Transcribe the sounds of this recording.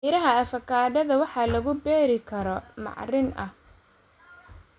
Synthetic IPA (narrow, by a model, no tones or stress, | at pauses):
ɪɾɐɦɐɐfɐkʰaːɖɐðɐwɑħɑlɐɣʊbɛːɾɪkʰɐɾɔmɑ̰ʕrɪnʔɐh